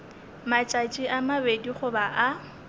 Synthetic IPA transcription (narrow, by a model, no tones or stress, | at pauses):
mat͡ʃʼat͡ʃʼiʔamabediχʊbaʔa